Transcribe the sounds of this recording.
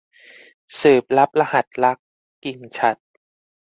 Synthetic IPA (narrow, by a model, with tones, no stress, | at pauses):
sɯː˨˩p̚la˦˥p̚la˧ha˨˩t̪̚la˦˥kː | i˨˧ŋt͡ɕʰa˦˩t̪̚